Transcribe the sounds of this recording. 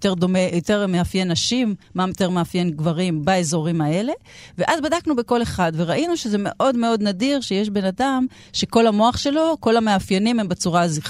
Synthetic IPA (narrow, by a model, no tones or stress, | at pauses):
teʁdo̞mejote̞ʁmeafjenːaʃimːamot̪e̞ʁmeafje̞nɡvaʁimbaezo̞ʁimae̞le̞ | veʔazbadaknube̞ko̞le̞χadve̞ʁaʔinuʃezeme̞̰ʔo̞dmeo̞d̪nadiʁʃejeʃbe̞nadam | ʃe̞ko̞lamo̞aχʃelo̞ko̞lameafjenimhembat͡suʁaziχ